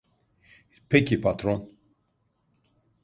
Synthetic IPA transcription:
pʰɛkʰipʰat̪ɾon

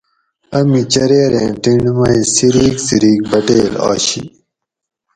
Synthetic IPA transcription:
ɐmit͡ɕɐɾeːɾẽːʈiɳɖmɐisiɾiːksiɾiːk̚bɐʈeːlɑ̰ːɕḭ

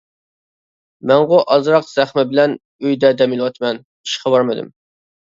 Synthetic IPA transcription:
mɛŋʁʊʔɑzɾɑqz̥æχmɛbɪlɛn | øjd̪ɛd̪ɛmɪlˠwɑt̪ʰmɛn | i̥ʃqʰɑbɑɾmɨd̪ɨ̰m

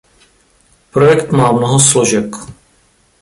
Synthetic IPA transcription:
pɾojɛkt̪maːmnoɦosloʒɛk

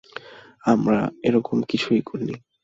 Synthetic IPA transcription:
amɾaeɾɔkomkit͡ɕʰuikoɾni

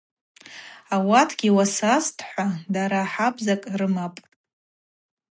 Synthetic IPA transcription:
awatʰɡ̥ʲiwasaztʼʰħʷadaɾaːħabzakʼrɨmapʼ

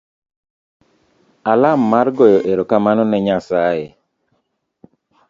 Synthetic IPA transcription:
alamːarɡɔjɔʔeɾokamanɔnɛɲasaje

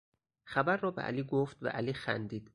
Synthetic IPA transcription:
xæbæɾːɒːbeʔæ̰liːɡoft̪væ̰ʔæliːxæ̰nd̪iːd̪̥

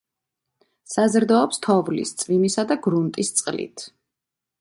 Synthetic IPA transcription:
sazɾd̪ɔːpst̪ʰɔvlḭst̪sʼvimisad̪aɡɾunt̪ʼist̪sʼqʼlḭt̪ʰ

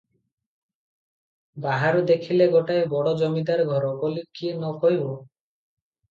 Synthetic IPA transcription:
baɦaɾud̪ekʰileɡoʈaebɔɽɔd͡ʒɔmid̪aɾɡʱɔɾɔkolikienɔkɔɦibo

